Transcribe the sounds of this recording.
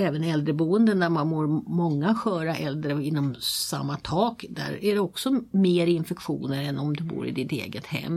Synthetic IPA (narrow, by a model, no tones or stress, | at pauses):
ɛːvənɛld̪ɾəbuːənd̪əæɾmanmoːɾmɔŋːaɧœːɾaʔɛld̪ɾəɪnːɔmsa̰mːat̪ʰɑːkd̪æ̰ɾæɖɛɔksɔmeːɾɪnfɛkɧṵːnəɾɛnɔmd̪ɵbṵːɾɪ̰d̪ɪt̪ḛːɡət̪hɛ̰mː